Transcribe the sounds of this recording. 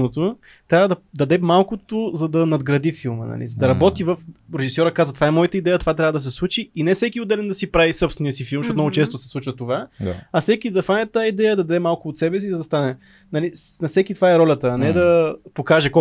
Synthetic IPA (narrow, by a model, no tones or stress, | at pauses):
not̪o | t̪ɾʲavəd̪ɐd̪ɐd̪ɛmalˠkot̪ozɐd̪ɐnɐd̪ɡɾɐd̪ifilˠmə̰nɐ̰lḭzɐd̪ɐɾɐbɔt̪ivəfɾɛʒisɔɾəkazvət̪ovaɛmɔjət̪əid̪ɛjət̪ovat̪ɾavəd̪ɐs̬ɛslˠut͡ʃiːnɛfsɛkiʊd̪ɛlɛnd̪ɐsipɾavisɤpst̪vɛniəsifilˠmʃɔt̪mnɔɡʊt͡ʃɛst̪ʊsɛ̥slˠut͡ʃvət̪ovaa̰ɐsɛkid̪ɐfanʲɛt̪ːaid̪ɛjəd̪ɐd̪ɐd̪ɛmalˠkʊːt̪sɛbɛsizɐd̪ɐst̪anɛ | nɐlinɐfsɛkit̪vaɛɾɔlʲət̪ənɛd̪ɐpokaʒɛkɔ